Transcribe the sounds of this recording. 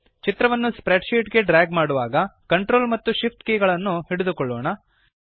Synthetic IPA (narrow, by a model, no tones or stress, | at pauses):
t͡ʃit̪ɾɐʋɐnːuspɾeɖʃiːʈɡe̞ɖɾaːɡmaːɽuʋaːɡɐkɐɳʈɾoːlmɐt̪ːuʃipʈ̪keːɡɐɭɐnːuhiɽed̪ukɔɭːoːɳɐ